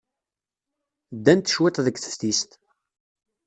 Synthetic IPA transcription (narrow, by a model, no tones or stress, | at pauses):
d̪ːænt̪ːʃwɪt̪ˤðəɡθə̥fθist̪